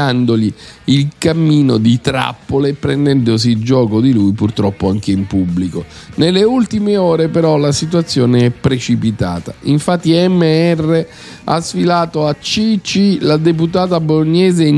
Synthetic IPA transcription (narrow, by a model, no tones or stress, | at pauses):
and̪oliilkamːiːnod̪it̪ɾa̰pːolepɾend̪ɛnd̪os̬id͡ʒɔːkod̪ilujpurt̪ɾɔpːoaŋk̟eimpubːlikonelːeult̪imeɔːɾepeɾɔlasit̪̬uat̪sːjoːneɛpːɾet͡ʃipit̪a̰ːt̪a̰iɱfat̪ːiɛmːeɛrːe | a̰sfilaːt̪oat͡ʃːit͡ʃilad̪ep̬ut̪aːt̪aboloɲːɛːzen